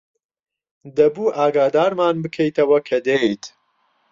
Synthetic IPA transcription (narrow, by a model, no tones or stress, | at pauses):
d̪ɐbuːʔaːɡaːd̪aːɾmaːnbɨkʰejt̪ʰɐwɐkʰɐd̪ejt̪ʰ